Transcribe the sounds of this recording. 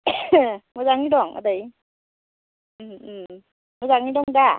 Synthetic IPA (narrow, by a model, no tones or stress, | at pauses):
mɔzaŋidɔŋa̰daj | m | mɔzaŋidɔŋda